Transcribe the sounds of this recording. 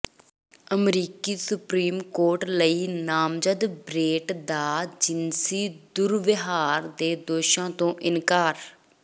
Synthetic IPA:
əmɾiːkiːsʊpɾiːmkoːɾʈləiːnaːmd͡ʒəd̪bɾeːʈd̪aːd͡ʒɪnsiːd̪ʊɾʋɪɦaːɾd̪eːd̪oːʃãːt̪õːʔɪnkaːɾ

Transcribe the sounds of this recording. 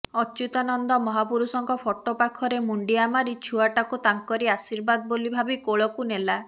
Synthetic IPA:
ɔt͡ʃut̪anɔnd̪ɔmɔɦapuɾusɔŋkɔpʰoʈopakʰɔɾemuɳɖiamaɾit͡ʃʰuaʈakut̪aŋkɔɾiasiɾbad̪ɔbolibʱabikoɭɔkunela

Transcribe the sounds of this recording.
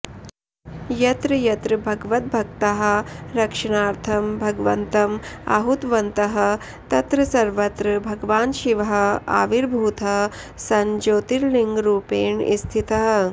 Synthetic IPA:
jɐt̪ɾɨjɐt̪ɾɨbʱɐɡʋɐt̪̚bʱɐkt̪ɐɦɐ̆ɾɐkʂɐɳaːɾt̪ʰɐmbʱɐɡʋɐ̰nt̪ɐmɐ̰ɦut̪ʋɐnt̪ɐɦɐ̆ | t̪ɐt̪ɾɐsɐɾʋɐt̪ɾɨbʱɐɡʋaːnʃiʋɐɦɐ̆a̰ːʋiɾbʱuːt̪ɐ | sɐɲd͡ʒoːt̪iɾliŋɡɾuːpeːɳḭst̪ʰit̪ɐɦɐ̆

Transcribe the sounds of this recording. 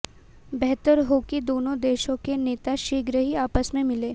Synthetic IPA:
bɛɦt̪əɾɦokid̪oːnõd̪eːʃõkeneːt̪aʃiːɡɾəɦiaːpəsmẽmɪleː

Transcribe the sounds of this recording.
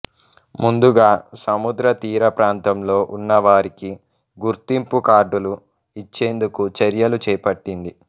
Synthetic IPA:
mund̪uɡaːsɐmud̪ɾɐt̪iːɾɐpɾaːnt̪ɐmlo̞ːʔunːɐʋaːɾiki | ɡuɾt̪impukaːɾɖulu | it͡ʃːeːnd̪ukut͡ʃɐɾjɐlut͡ʃɛːpɐʈːind̪i

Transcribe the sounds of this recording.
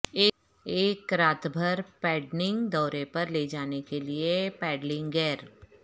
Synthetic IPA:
eː | eːkɾaːt̪bʱəɾpɛːɖnɪ̃ŋɡd̪ɔːɾepɐɾleːd͡ʒaːnekeliepɛːɖlɪ̃ŋɡɡɛːɾ

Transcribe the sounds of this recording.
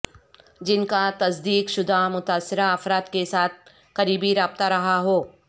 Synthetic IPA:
d͡ʒɪnkat̪ɐsd̪iːkʃʊd̪ʱamʊt̪aːsːɪɾaɐfɾaːt̪kesaːt̪̚ʰ | kɐɾiːbiɾaːb̚t̪aɾɐɦaɦoː

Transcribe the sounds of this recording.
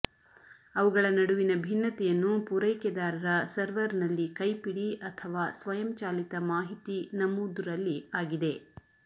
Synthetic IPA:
ɐʋuɡɐɭɐnɐɽuʋinɐbʱinːɐt̪ɛjɐnːupuɾɐjkɛd̪aːɾɐɾɐsɐɾʋɐɾnɐlːikɐjpiɽiʔɐt̪ʰɐʋaːsʋɐjɐmt͡ʃaːlit̪ɐmaːɦit̪inɐmuːd̪uɾɐlːiaːɡid̪e̞

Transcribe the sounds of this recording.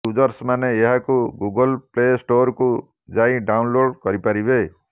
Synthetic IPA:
ud͡ʒɔɾsmaneːɦakuɡuɡɔlplesʈoɾku | d͡ʒaĩɖawnloɽkɔɾipaɾibe

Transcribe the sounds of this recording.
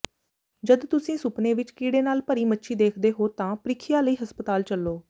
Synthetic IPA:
d͡ʒəd̪t̪ʊsĩːsʊpneːʋɪt͡ʃkiːɽeːnaːlpəɾiːmətːʃʰiːd̪eːkʰd̪eːɦoːt̪ãːpɾɪkʰɪjaːləiːɦəspət̪aːlt͡ʃəlːoː

